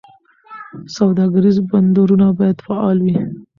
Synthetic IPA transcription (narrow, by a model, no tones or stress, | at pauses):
sawd̪ɑɡaɾizband̪oɾunabɑjad̪faɑlwi